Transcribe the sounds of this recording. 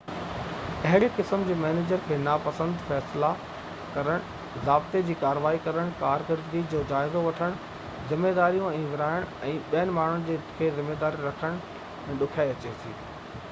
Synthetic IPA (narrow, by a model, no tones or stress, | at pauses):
ɐɦɪɽekɪsəmd͡ʑeːmɛːneːd͡ʑəɾkʰeːnapɐsə̃nd̪fɛːsla | kɐɾəɽ̃ | zaːbt̪ed͡ʑiːkaːɾəʋaːikɐɾəɽ̃kaːɾkəɾd̪ɡid͡ʑoːd͡ʑaːɪzoʋɐʈʰəɽ̃ | zɪmːed̪aːɾijõɛ̃ːʋɪɾaːɪɽ̃ɛ̃ːɓijənɪ̆maːn̤ʊnɪ̆d͡ʑeːkʰeːzɪmːeːd̪aːɾiɾɐkʰəɽ̃ | ɛ̃ːɗʊkʰaːiɐt͡ɕesḭː